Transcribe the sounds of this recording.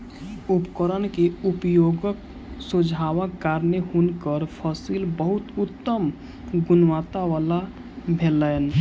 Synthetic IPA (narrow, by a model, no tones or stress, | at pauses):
upkəɾənkeupjoːɡək̚ | sud͡ʒʱawəkːaːɾneɦunkəɾpʰəsilbəɦʊt̪ʊt̪ːəm | ɡʊnwat̪aʋala | bʱelən